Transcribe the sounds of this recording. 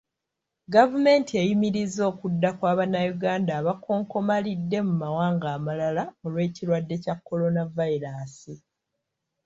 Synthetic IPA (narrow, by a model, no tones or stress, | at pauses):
ɡavume̞ːntiejimiɾizo̞ːkudːakwaːβanajuɡaːndaːβakʰo̞ːŋko̞malidːe̞mumawaːŋɡaːmalalaolweitiɾwadːe̞cakːo̞lo̞navaiɾasi